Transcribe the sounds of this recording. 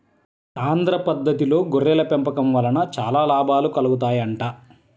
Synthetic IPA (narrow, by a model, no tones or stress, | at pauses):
aːnd̪ɾɐpɐd̪ːɐt̪ilo̞ːɡoɾːɛːlɐpɛmpɐkɐmʋɐlɐnɐt͡ʃa̰ːlaːlaːbʱaːlukɐluɡut̪̬aːjɐɳʈaː